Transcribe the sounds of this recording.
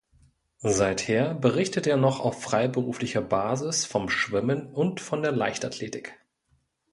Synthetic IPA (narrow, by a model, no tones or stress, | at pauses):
zaɪtheːɐbəʁ̞ɪçtəteːɐnɔχa̰ʊfʁ̥aɪbəʁuːflɪçɐbaːzɪsfɔmʃv̥ɪmənʊntfɔndeːɐlaɪçtatʰleːtɪk